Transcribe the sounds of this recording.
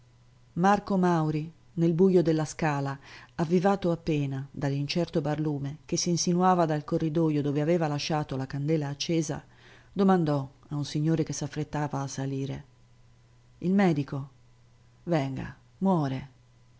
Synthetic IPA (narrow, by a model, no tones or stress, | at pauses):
markomawɾi | nelbujod̪elːaskaːlaavːivaːt̪oapːɛːnad̪alːint͡ʃɛrt̪obarluːmek̟esːinsinuaːvad̪alkorːid̪oːjod̪oːveavɛːvalaʃːaːt̪olakand̪ɛːlaːt͡ʃːɛːza̰ | d̪omand̪ɔaunsiɲːoːɾekesːafɾet̪ːaːvaːsːaliːɾe | ilmɛːd̪iko | vɛŋɡa̰ | mwɔːɾe